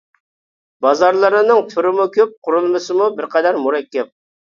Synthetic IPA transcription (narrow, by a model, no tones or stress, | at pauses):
bɑzɑɾlˠɨɾɨnɨŋt̪ʰuɾɪmukʲʰøp̚qʰʊɾulˠmɨsɨmubɪɾqʰɑd̪ɛɾmuɾɛkʲʰːɛp̚